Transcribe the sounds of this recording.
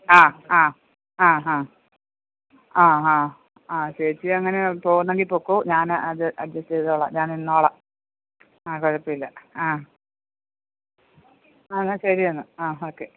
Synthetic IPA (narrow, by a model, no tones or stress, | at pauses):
aːaː | aːɦaː | aːɦaː | aːt͡ɕɐɾit͡ɕːɨɐŋːɐnepo̞ːɣunːeŋɡilpoːkːoːɲaːnɐðɨʔɐd̪jɐsteðoːɭɐ̰ɲaːninːoːɭɐ | akoɻɐpːɐilːɐaː | nːɐɕɐɾiɐnːɨaːoːkːe